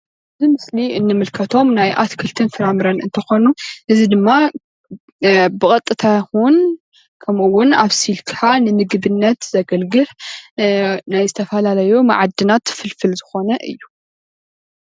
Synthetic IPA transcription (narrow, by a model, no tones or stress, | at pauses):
ʔɨzimɨsliʔɨnːɨmɨlkʰɐt̪ʰo̞mnajʔa̰t̪kʰɨlt̪ʰɨnfɨɾamɾanɨnt̪ʰɐxo̞nuʔɨzid̪ɨmːa | bɨkʼɐt̪ʼːɨt̪ʰahun | kʰɐmɨwːʊnaβsilkʰanɨnɨɡβɨnːɐt̪z̥ɐɡɐlɡɨħ | najzɨt̪ʰɐfɐlalɐjuma̰ʕad̪ːɨnat̪fɨlfɨlzɨxo̞nɐʔɨ̰jːu